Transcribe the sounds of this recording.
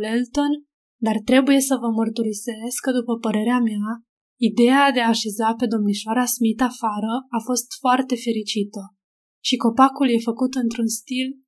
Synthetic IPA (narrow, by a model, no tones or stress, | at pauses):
lelt̪o̞n | d̪art̪ɾe̞buje̞səvəmərt̪uɾise̞skːəd̪upəpəɾe̞ɾeamea | id̪e̞ad̪e̞aːʃe̞zape̞d̪o̞mniʃoaɾasmit̪afaɾəafo̞st̪foart̪e̞fe̞ɾit͡ʃit̪ə | ʃiko̞pakulje̞fəkut̪ɨnt̪ɾunst̪il